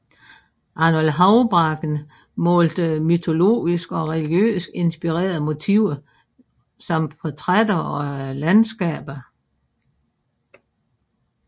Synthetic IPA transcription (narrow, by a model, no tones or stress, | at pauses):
ʔɑnolɦɑ̈ʊb̥ʁɑɡ̥n | mɔ̽ːld̥əmyt͡sʰo̝lo̝̰ːisɡ̥ɒ̽ʁɛliɡ̥jø̰ːsɡ̥e̝nsb̥iʁɛ̰ːɐðˠmo̝t͡sʰiʊ̰ɐ | sɒ̽mfʰɒt͡sʰʁad̥ɐɒ̽lænsɡ̥ɛ̰ːb̥ɐ